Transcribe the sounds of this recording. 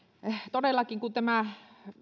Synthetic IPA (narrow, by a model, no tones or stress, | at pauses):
t̪odelːˑɑkiŋkut̪æmæ